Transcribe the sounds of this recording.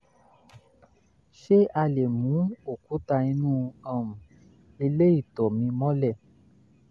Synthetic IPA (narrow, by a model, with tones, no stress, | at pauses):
ʃe˦ʔa˧le˨mũ˨˦o˦˨ku˨˦ta˧i˧nũː˦ã˦˨mũ˨ | i˧le˦i˦˨tɔ˨mĩ˧mɔ̃˦lɛ˦˨